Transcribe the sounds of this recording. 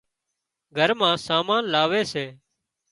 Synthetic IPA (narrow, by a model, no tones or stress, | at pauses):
ɡʱəɾmãːsaːmãːnlaːʋeːseː